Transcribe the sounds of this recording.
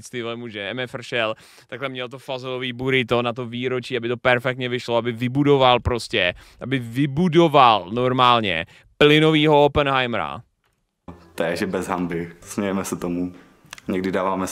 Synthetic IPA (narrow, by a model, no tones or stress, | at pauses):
st̪ɪvɛmuːʒɛɛmɛfr̩ʃɛl | t̪aklɛmɲɛlt̪ofazɛloviːbuɾɪt̪onat̪̬oviːɾot͡ʃiːabɪt̪o̞pɛɾfɛk̚t̪ɲɛvɪʃloabɪvɪbudo̞valpɾoscɛ | ʔabɪvɪbudo̞valnoɾmaːlɲɛ̰ | plɪno̞viːɦoopɛnɦajmɾa̰ | t̪ɛʒɛbɛzɦambɪsmɛjɛmɛsɛt̪omu | ɲɛɡdɪdaːvaːmɛ